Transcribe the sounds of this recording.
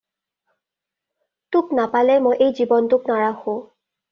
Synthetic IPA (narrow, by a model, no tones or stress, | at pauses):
tʊknapalɛmojʔejzibɔntʊknaɹaxõ